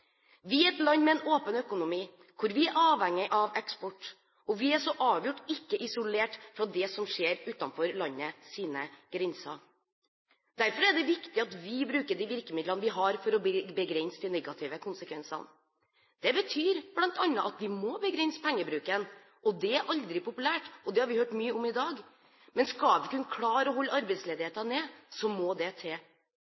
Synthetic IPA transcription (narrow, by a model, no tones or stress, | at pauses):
ʋɪɛt̪lɑnːmɛɛnoːpənœkʊnʊmiː | kʰʊɾʋɪɛɾʔɑːʋhɛŋːɪʔɑʋɛkspɔʈː | ɔʋɪæʂɔʔɑːʋjʊʈːɪkːəʔɪsʊleːʈfɾɑd̪ɛsɔmʂeːɾʉːt̪ɑnfɔɾlɑɲːəsiːnəɡ̥ɾɪnsɑ̰ | d̪̥æɾfɔɾɛɖɛʋɪkt̪ɪɑt̪ʋɪbɾʉːkəɖiʋɪɾkəmɪd̪lənəʋɪɦɑɾfɔɾɔbbəɡɾɛnsd̪ɛnɛɡɑt̪ʰɪːʋəkʰʊnsəkʰʋɛnsɑ̰n | d̪̥ɛbət̪ʰyːɾb̥lɑnt̪ɑnːəʔɑt̪ʋɪmɔbəɡɾɛnspʰɛŋːəbɾʉːkən | ʔɔd̪ɛæɾʔɑld̪ɾɪpʊpʉlæːʈɔd̪ɛhɑɾʋɪhøːʈmyːəɔmɪd̪ɑːɡ | mɛnskɑlʋɪkʉnəkʰlɑːɾɔɦɔlːɑɾbɛɪt̪sleːd̪ɪheːt̪ɑneːsɔmɔd̪ɛt̪ʰeː